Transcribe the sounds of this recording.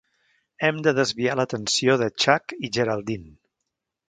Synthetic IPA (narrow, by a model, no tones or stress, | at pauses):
ɛmd̪əðəzβialət̪ənsioðət͡ʃakiʒəɾalˠd̪in